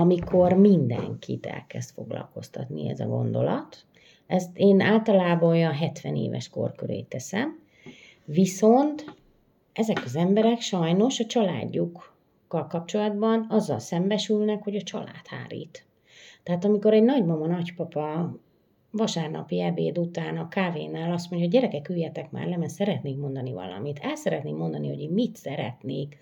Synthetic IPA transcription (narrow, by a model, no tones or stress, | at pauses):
mikʰo̞rmind̪ɛ̰ŋkʰit̪ɛ̰lkɛst̪fo̞ɡlɒ̰lko̞st̪ɒt̪nḭɛ̰zɒ̰ɡo̞̰nd̪o̞lɒt̪ | ɛst̪eːnaːlt̪ɒlaːbɒojɒnɦɛt̪ʋɛnḛːvɛ̰ʃko̰rkøɾḛːt̪ːɛsɛm | viso̞nt̪ | ɛzɛkɒzɛmbɛɾɛkʃɒjno̞ʃɒt͡ʃɒla̰ːɟːukː | ɒlkɒp̚t͡ʃo̞lɒd̪bɒnɒzːɒ̰lsɛmbɛʃylnɛkho̞ɟɒt͡ʃɒ̰la̰ːt̪ha̰ːɾḭːt̪ | t̪ːɛɦaːt̪ɒmiko̞ɾɛɟnɒɟmɒmɒnɒcpɒpɒ | vɒʃaːrnɒ̰piɛbḛːd̪ut̪aːnɒkaːveːnaːlɒst̪mo̞ɲɟɒoɟɟɛɾɛkɛkyːjɛt̪ɛkma̰ːrlɛmɛnsɛɾɛt̪neːkmo̞nd̪ɒnivɒ̰lɒ̰mit̪ʰɛlsɛɾɛt̪neːmːo̞nd̪ɒniɦo̞̰ɟeːmit̪sɛɾɛ̰t̪neːk